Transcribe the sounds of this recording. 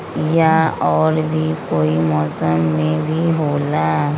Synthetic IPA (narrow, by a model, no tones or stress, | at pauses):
jaɔːɾbʱikoːimɔːsəmːẽbʱiɦoːla